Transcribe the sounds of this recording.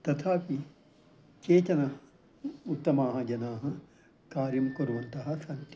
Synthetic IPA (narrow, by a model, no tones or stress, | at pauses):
t̪ɐt̪ʰaːpi | t͡ʃeːt̪ɐnɐ | ut̪ːɐmaːɦɐd͡ʒɐnaːɦɐ | kaːɾjɐmkoɾuʋɐnt̪ɐɦɐsɐnt̪